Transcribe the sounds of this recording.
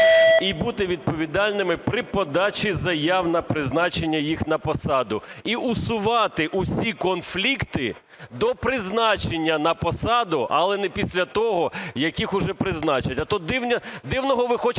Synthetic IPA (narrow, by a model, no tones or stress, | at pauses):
ibut̪ɪʋʲid̪̚pɔʋʲid̪ɑlʲnɪmɪpɾɪpɔd̪ɑt͡ʃizɐjɑwnɐpɾɪznɑt͡ʃenʲːɐjixnɐpɔsɑd̪ʊiʔʊsʊʋɑt̪ɪʔʊsʲikɔnflʲikt̪ɪ | d̪ɔpɾɪznɑt͡ʃenʲːɐnɐpɔsɑd̪ʊʔɐlˠɛnɛpʲisʲlʲɐt̪ɔɦɔjɐkʲixʊʒɛpɾɪznɑt͡ʃɐtʲɐt̪ɔd̪ɪwnʲɐd̪ɪwnɔɦɔʋɪxɔt͡ʃ